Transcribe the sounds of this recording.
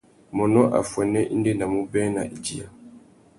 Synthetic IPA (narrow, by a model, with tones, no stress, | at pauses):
mɔ˨nɔ˦ʔa̰˨fwɛ˨nɛ˦ʔi˦ndɛ˦na˨mu˦bɛ˦na˨ʔi˨d͡ʒi˨ja̰˨